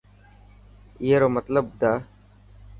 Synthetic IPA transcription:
ɪɦeːɾoːmət̪ləbd̪aː

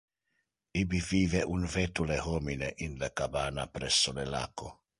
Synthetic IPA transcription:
ibiviːveʔunvet̪ulehomineʔinlekabaːnapɾesːolela̰ːko

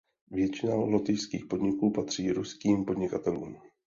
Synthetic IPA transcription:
vjɛt͡ʃɪnalot̪ɪjskiːxpo̞dɲɪkuːpat̪r̝̥iːɾuskiːmpo̞dɲɪkat̪ɛlṵːm

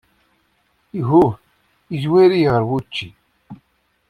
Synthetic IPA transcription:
iɦu | iʒwæɾiʁəɾwut͡ʃːi

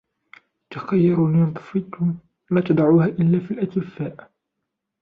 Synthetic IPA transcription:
t̪axajːɑɾulnt̪ˤɑ̥fit̪ʊm | laːt̪ɑd̪ˤɑʕuːhaːʔɪlːaːfilʔat̪ɪfaːʔ

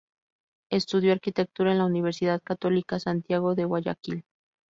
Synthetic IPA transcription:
e̞st̪uðjoaɾkit̪ek̚t̪uɾaenlauniβ̞eɾsiðaðkat̪o̞likasant̪jaɣo̞ðewaʝa̰kil

